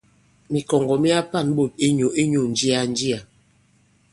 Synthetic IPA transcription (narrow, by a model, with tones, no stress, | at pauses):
mi˨kɔ˨ŋɡɔ˨mi˦a˦pa˦˨nɓo˦˨t̚e˦ɲo˨e˦ɲo˨n˨d͡ʒi˦a˨n˦di˦a˨